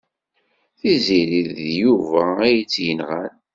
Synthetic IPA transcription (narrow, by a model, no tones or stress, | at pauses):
θiziɾiðjuvææjət͡sːjənʁal